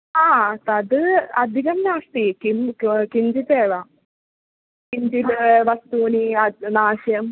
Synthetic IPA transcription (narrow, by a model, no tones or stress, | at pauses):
aːt̪ɐd̪ɨɐd̪ʱikɐmnaːʂt̪ikimkind͡ʒit̪eːʋa | kiɲd͡ʒilʋɐst̪uːninaːʂjɐm